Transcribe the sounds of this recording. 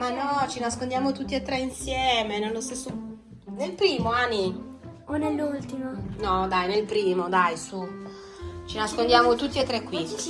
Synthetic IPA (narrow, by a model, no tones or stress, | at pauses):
manːɔt͡ʃinaskond̪jaːmot̪ut̪ːiet̪ːɾɛinsjɛːmenelːost̪esːo | nelpɾiːmoanːi | onelːult̪imonɔd̪ajnelpɾiːmod̪ajsu | t͡ʃinaskond̪jaːmot̪ut̪ːiet̪ːɾɛkːwi